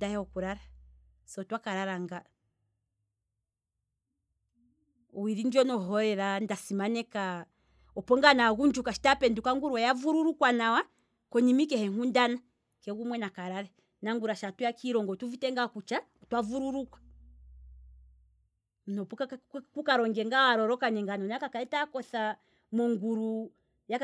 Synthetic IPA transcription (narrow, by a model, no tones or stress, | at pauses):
dahɛɔkuɾaɾa | sɔɔtwakaɾaɾaŋɡa | wiɾind͡ʒiɔnɔɦɔɾɛɾandasimanɛka | ɔpɔŋɡanaɣund͡ʒukaʃi̥tapɛndukaŋɡuɾwajavuɾuɾukwanawa | kɔɲimikɛhɛŋundana | kɛɣumwɛnakaɾaɾɛ | naŋɡuɾaʃatujakʰiɾɔŋɡɔtuvitɛŋɡakut͡ʃatwavuɾuɾukwḁ | m̩nɔpukukaɾɔŋɡɛŋɡawaɾɔɾɔkanɛŋɡanɔnakakaɛtakɔθa | mɔŋɡuɾu | ja